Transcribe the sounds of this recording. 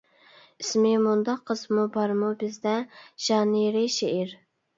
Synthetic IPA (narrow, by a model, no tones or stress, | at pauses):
ismɪmund̪ɑqʰːəzmubɑɾmubɪzd̪ɛʒ̥ɑniɾɪʃeʔiɾ